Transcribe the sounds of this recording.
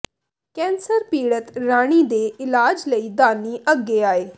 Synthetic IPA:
kɛ̃ːnsəɾpiːɽət̪ɾaːɽ̃iːd̪eːɪlaːd͡ʒləiːd̪aːniːʔəɡːeːaːeː

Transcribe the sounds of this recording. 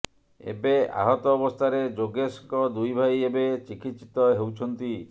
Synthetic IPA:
ḛbea̰ɦɔt̪ɔːbɔst̪ʰaɾed͡ʒoɡeskɔd̪ujbʱajebet͡ʃikit̪t͡ʃi̥t̪ɔɦewt͡ʃʰɔnt̪i

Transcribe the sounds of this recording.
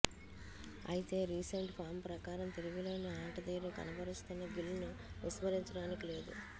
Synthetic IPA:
ɐ̰jit̪e̞ːɾiːseɳʈpʰaːɾmpɾɐkaːɾɐmt̪eluɡuloːnuaːʈɐd̪eːɾuːkɐ̰nɐbʱɐɾist̪unːɐɡilːniʋismɐɾiɲt͡ʃɐɽaːnikile̞ːd̪ṵ

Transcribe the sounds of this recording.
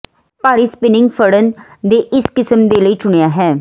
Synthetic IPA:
paːɾiːspɪnɪ̃ŋɡfʰəɽənd̪eːʔɪskɪsəmd̪eːləiːt͡ʃʊɳ̃ejaːɦɛː

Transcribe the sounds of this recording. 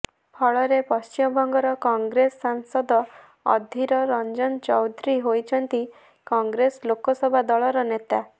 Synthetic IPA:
pʰɔɭɔɾepɔst͡ʃimɔbʱɔŋɡɔɾɔkɔŋɡɾesːaŋsɔd̪ɔ | ɔ̰d̪ʱiɾɔɾɔnd͡ʒɔnt͡ʃɔwd̪ʱɾiɦojt͡ʃʰɔnt̪i | kɔŋɡɾeslokɔsɔbʱad̪ɔɭɔɾɔnet̪a

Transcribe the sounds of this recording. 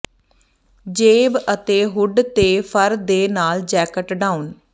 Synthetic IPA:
d͡ʒeːbət̪eːɦʊɖt̪eːpʰəɾd̪eːnaːld͡ʒɛːkəʈɖaːun

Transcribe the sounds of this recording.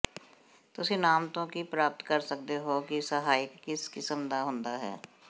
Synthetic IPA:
t̪ʊsẽnaːmt̪õkipɾaːp̚t̪kəɾsək̚d̪eɦokisəɦaːɪkːɪskɪsəmd̪aɦʊ̃ːnd̪aɦɛ̰ː

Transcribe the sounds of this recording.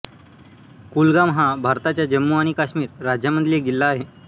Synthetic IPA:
kulɡamɦãbʱaɾt̪at͡ɕjad͡ʑəmːuaɽ̃ikaɕmiːɾːad͡ʑjəmənd̪liek̚d͡ʑilːaːɦe

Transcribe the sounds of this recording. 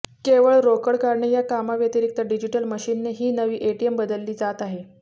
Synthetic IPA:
keʋəɭɾokəɽkaɾɳejakamaʋjət̪iɾik̚t̪əɖid͡ʑiʈəlməɕiːnːeɦiːnəʋiːʔeʈiembəd̪əlːiːd͡zat̪aɦe

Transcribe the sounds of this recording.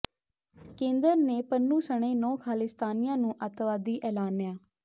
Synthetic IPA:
kẽːnd̪əɾneːpənːũːsəɳ̃ẽːnɔ̃ːkʰaːlɪst̪aːnɪjãːnũːʔət̪ʋaːd̪iːʔɛːlaːnːjaː

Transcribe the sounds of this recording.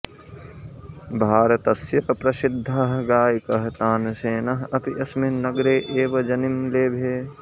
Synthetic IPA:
bʱaːɾɐt̪ɐsjɐkpɾɐsɪd̪ʱːaːɦɡaːjikɐɦt̪aːnseːnaɦɐpiʔɐsmenɐɡɾeːʔeːʋɐd͡ʒɐnimleːbʱeː

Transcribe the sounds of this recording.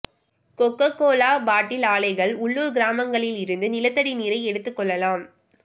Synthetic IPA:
kɔkːɐkːoːlaːbaːʈːɪlaːlɐɪɣɐɭʊɭːuːɾɡɪɾaːmɐŋɡɐɭɪlɪɾɯnd̪ɯnɪlɐt̪ːɐɽiniːɾɐɪɛɽɯt̪ːɯkːɔɭːɐlaːm

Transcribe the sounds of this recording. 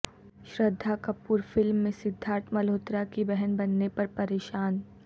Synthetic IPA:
ʃɾəd̪ʱːakɐpuːɾfɪlmːẽsɪd̪ʱːaːɾt̪ʰmɐloːt̪ɾakibɛɦənbɐnːepɐɾpɐɾeːʃaːn

